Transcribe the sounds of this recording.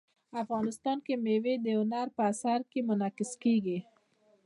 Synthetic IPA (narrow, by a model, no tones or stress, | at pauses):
afɣɑnɪst̪ɑnkemewed̪ewnɑɾpəasaɾkemʊnɑkɪskeɡi